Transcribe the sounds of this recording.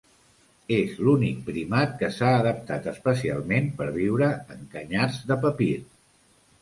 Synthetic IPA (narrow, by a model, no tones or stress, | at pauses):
ezlunik̚pɾimat̪̚kəsaəðəp̚t̪at̪əspəsia̰lˠmenpəɾβ̞iwɾəəŋkəɲaɾzðəpəpiɾ